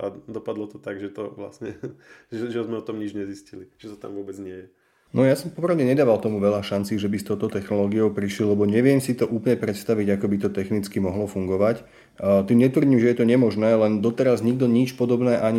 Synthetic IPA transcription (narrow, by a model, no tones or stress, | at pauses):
ad̪ɔpad̪lɔt̪ɔt̪aɡʒɛt̪ɔʋla̰sɲɛʒɛʒɛzmɛɔt̪ɔmɲid͡ʒɲɛzisciliʒ̥ɛt̪ɔ̥t̪a̰mʋʊɔbɛd͡zɲɪɛjɛ | nɔjasɔmpɔpɾaʊɲɛɲɛd̪aːʋalt̪ɔmuʋɛʎaʃant͡siːʒɛbist̪ɔʊt̪ɔt̪ɛxnɔlɔːɡiɔʊpɾiʃlillɛbɔɲɛʋɪɛmsit̪ɔʔuːplɲɛpɾɛt̪st̪aʋiɟakɔbit̪ɔt̪ɛxnit͡skimɔɦlɔfuŋɡɔʋac | t̪imɲɛt̪ʋr̩ɟiːmʒɛjɛt̪ɔɲɛmɔʒnɛːlɛnd̪ɔt̪ɛɾazɲiɡ̚d̪ɔɲit͡ʃpɔd̪ɔbnɛːʔaɲi